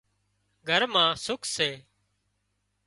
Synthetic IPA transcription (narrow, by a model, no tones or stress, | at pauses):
ɡʱəɾmãːsʊkʰseː